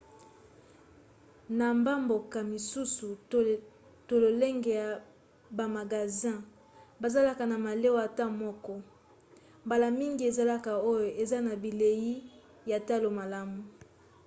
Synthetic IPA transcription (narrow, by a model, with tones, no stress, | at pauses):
na˨mba˦mbo˨ka˨mi˨su˦su˨ | to˨lo˨le˦ŋɡe˨ja˨ | ba˨ma˨ɡa˨zɛ̃˦ | ba˨za˦la˦ka˨na˨ma˨le˦wa˨ta˦mɔ˦kɔ˦ | mba˨la˨mi˦ŋɡi˦e˨za˦la˦ka˨o˦jo˨ʔe˨za˦na˨bi˨le˨ji˦ | ja˨ta˦lo˨ma˨la˦mu˨